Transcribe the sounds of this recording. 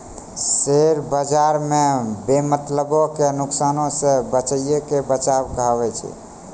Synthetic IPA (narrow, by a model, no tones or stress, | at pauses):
seɾbəd͡ʒaɾmebemət̪ləbɔkenuksanõsẽbət͡ʃəjjekebət͡ʃabkəɦəbɛt͡ʃʰɛ̰